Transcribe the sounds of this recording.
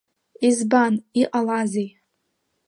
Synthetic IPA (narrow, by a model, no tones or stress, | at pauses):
izbaniqʼalazej